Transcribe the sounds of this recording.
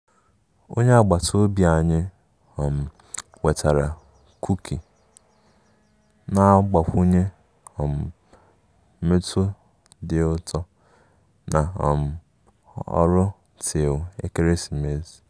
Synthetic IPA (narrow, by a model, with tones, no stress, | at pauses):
o̰˦ɲe˦a˦˨ɡ͡ba˨tʰo˦bja˨ɲɪ˦ | ɔ˨m̩˨ | we˨tʰa˨ɾa˨ | kʰu˦kʰi˨ | na˨˦ɡ͡ba˨kʷu˦ɲe˦ | ɔ˨m̩˨˦ | mɪ˦tʰʊ˦ | dɪ˨ʊ˦tʰɔ˦ | na̰˨m̩˨ | ɔ̰˦ɾʊ˦ | tʰe˨ʊ˨ḛ˦ke˦ɾe˦si˨me˨z